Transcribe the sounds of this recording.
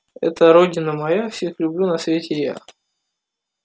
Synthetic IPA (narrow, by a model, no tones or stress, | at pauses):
ɛ̰t̪əɾodʲɪnəmɐjafsʲexlʲʊblʲunɐsvʲetʲɪja̰